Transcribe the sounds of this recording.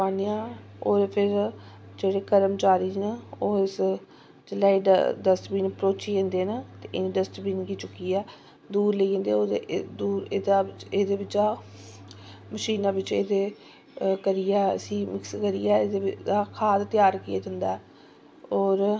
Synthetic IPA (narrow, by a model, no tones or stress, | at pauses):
aːniːãː | oːɾpʰɪɾ | d͡ʒeːɽeːkəɾəmt͡ʃaːɾiːnaoːɪs | d͡ʒɪlːaːiɖd̪əst̪biːnpəɾoːt͡ʃiːẽːnd̪eːnat̪eːʔɪniːɖəst̪biːnkiːt͡ʃʊkːiːɛː | d̪uːɾliːẽnd̪eːoːd̪ed̪uːɾeːd̪aːɪt͡ʃeːd̪eːʋɪt͡ʃaː | məʃiːnãːʋɪt͡ʃeːd̪eː | kəɾiːɛːə̰sĩːmɪkskəɾḭːɛːeːd̪eɪd̪aːkʰaːd̪t̪ɪjaːɾkɪja̰ːd͡ʒənd̪aːɛ | ɔːɾ